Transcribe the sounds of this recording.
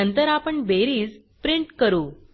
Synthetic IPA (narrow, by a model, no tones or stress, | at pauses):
ənt̪əɾapəɳbeɾiːd͡z | pɾiɳʈkəɾuː